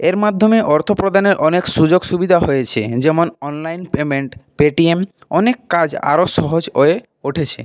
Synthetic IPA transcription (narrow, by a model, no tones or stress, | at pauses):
eɾmad̪ʱːomeʔɔɾt̪ʰopɾod̪ʱaneɾʔɔnekʃud͡ʑoɡʃubid̪ʱaɦojet͡ɕʰḛd͡ʑɛmonɔnlajnpemeɳʈpeʈiem | ɔnekːad͡ʑa̰ɾoʃɔɦod͡ʑoe | oʈʰet͡ɕʰḛ